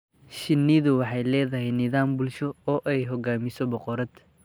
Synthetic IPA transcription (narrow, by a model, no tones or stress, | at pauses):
ʃɪnːɪðʊwɑħɑjlɛːðɐɦɛjnɪðaːmbʊlʃɔɔːʔɛjɦɔɡaːmɪsɔbɔqɔɾɐd̪